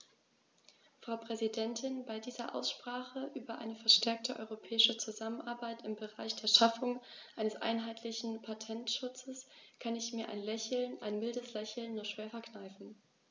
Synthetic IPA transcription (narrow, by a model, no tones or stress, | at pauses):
fʁ̥aʊpʁ̥ɛzidɛntʰɪnbaɪdiːzɐʔa̰ʊsʃpʁ̥aːχəʔyːbɐʔa̰ɪnəfɛɐʃtʰɛɐk̚tʰəʔɔ̰ʏʁopʰɛːɪʃət͡suzamənʔa̰ɐbaɪtɪmbəʁaɪçd̥eːɐʃafʊŋʔaɪnəsʔa̰ɪnɦaɪtʰlɪçn̩pʰatʰɛntʃʊt͡səskʰanɪçmiːɐʔa̰ɪnlɛçl̩nʔaɪnmɪldəslɛçl̩nːuːɐʃv̥eːɐfɛɐknaɪfn̩